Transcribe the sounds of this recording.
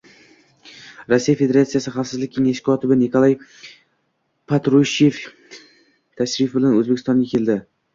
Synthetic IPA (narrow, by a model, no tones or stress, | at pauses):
ɾosːijafe̞d̪e̞ɾat̪sijasɪχafsɪzlɪkʲʰːe̞ŋaʃkʰɒt̪ʰɪbɪnikʰolˠaj | pʰat̪ɾuʃje̞f | t̪ʰaʃɾɪfbɪlanɵzbekʰʲɪst̪ɒŋɡʲakʲʰe̞ld̪ɪ